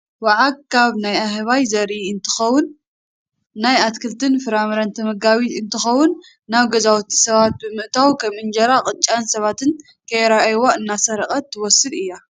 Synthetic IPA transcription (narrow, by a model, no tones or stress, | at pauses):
waʕakʰaβnajahɐβajzɐɾiɨnt̪ʰɨ̥xɐwːʊnː | ajat̪kʰɨlt̪ʰɨnfɨɾamɾant̪ʰɐmɐɡaβiɨnt̪ʰɨxɐwːʊnː | aβɡɐzawt̪ʰi̥sɐβat̪̚bɨmɨʔt̪ʰawkʰɐmɨnd͡ʒɐɾaqʼɨt͡ʃʼansɐβat̪ʰɨn | kʰɐjɾaʔjwoɨnːasɐɾɐkʼɐt̪ʰːɨwɔsɨd̪ɨjːa